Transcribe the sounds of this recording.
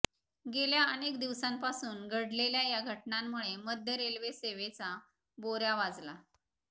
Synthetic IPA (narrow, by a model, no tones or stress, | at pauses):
ɡeljaənekd̪iʋsãmpasuːnɡʱəɽleljajaɡʱəʈnamːuɭeməd̪ʱjəɾelʋeseʋet͡sa | boɾjaʋad͡zla